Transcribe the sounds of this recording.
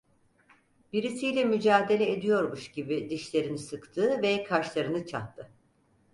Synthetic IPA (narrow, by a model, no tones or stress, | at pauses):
biɾisijlʲɛmyd͡ʒaːd̪e̞lʲɛed̪ijo̞ɾmuʃɟibid̪iʃlʲe̞ɾinisɯkt̪ʰɯːvɛkʰaɾʃlˠaɾɯnɯt͡ʃʰa̰t̪ʰːɯ